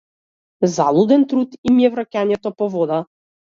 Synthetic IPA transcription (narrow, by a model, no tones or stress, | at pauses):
zalˠud̪ɛnt̪ɾut̪imijɛvɾakʲanɛt̪ɔpɔvɔd̪a